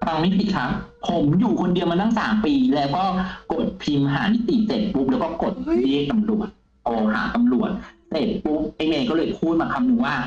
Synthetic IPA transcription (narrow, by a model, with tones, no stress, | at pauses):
ɾa˧ŋmi˦˥t̪i˨˩kʰa˦˥p̚ʰ | o˨˩˦mjuː˨˩kʰo˧ndi˧əwmaː˧t̪aː˥˩ŋsa̰ː˩˦mpiː˧lɛː˦˥wkɔː˥˩ko˨˩t̪̚pʰi˧mɦaː˩˦ni˦˥t̪i˨˩t͡ɕeː˨˩t̪̚pu˦˥p̚lɛː˦˥wkɔː˥˩ko˨˩t̪̚ɾi˥˩ək̚t̪a˧mɾu˨˩ət̪̚ | ʔoː˧ha̰ː˩˦t̪a˧mɾu˨˩ət̪̚seː˨˩t̪̚pu˦˥p̚ʔeː˧meː˧lkɔː˥˩ɤː˧jpʰuː˥˩t̪̚maː˧˩kʰa˧mnɯ˧ŋwaː˥˩